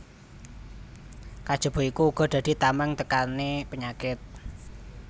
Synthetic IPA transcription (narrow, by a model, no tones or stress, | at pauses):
kad̥ʒ̥ɔ̤b̥ɔ̤ikuːɡ̥ɔ̤d̪̥ä̤d̪̥i̤t̪amɛŋt̪əkanepəɲakɪt̪̚